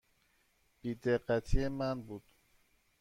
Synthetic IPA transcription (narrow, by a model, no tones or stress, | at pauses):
b̥iːd̪eɢæt̪ʰijemænbuːd̪̥